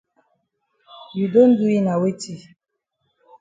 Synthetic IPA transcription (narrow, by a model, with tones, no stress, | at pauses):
ju˨do˦n̩˦du˦i˦na˨we˦ti˦˨